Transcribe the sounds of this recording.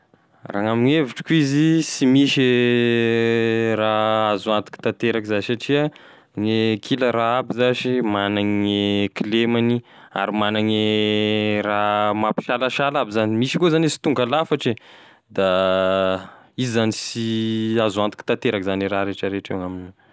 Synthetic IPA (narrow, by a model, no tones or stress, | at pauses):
raŋamineviʈ͡ʂi̥kuizisimiʃe | raazuant̪u̥ki̥t̪ant̪eɾakzaisaʈ͡ʂiə | ŋekʰiləɾaabizaʃimanaŋekilemani | a̰ɾimanaŋe | ramapi̥ʃalaʃalabizanimiʃikozanisi̥t̪uŋɡalafaʈ͡ʂe | d̪a | izizanisiazuant̪i̥ki̥t̪ant̪eɾakizaniɾaɾeʈ͡ʂəɾeʈ͡ʂeŋaminu